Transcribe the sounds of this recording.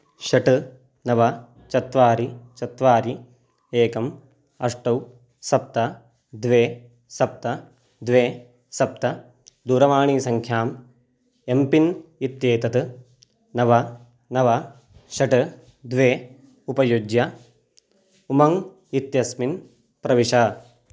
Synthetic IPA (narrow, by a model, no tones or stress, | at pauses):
ʃɐʈɨ | nɐʋɐ | t͡ʃɐt̪ʋaːɾit͡ʃɐt̪ʋaːɾi | eːkɐm | ɐʂʈɐw | sɐp̚t̪ɐ | d̪ʋeː | sɐp̚t̪ɐ | d̪ʋeː | sɐp̚t̪ɐ | d̪uːɾɐʋaːɳiːsɐŋkʰjaːm | empinit̪jeːt̪ɐt̪ɨ | nɐʋɐ | nɐʋɐ | ʃɐʈɐ | d̪ʋeː | upɐjud͡ʒjɐ | umɐŋ | it̪jɐsmin | pɾɐʋiʂɐ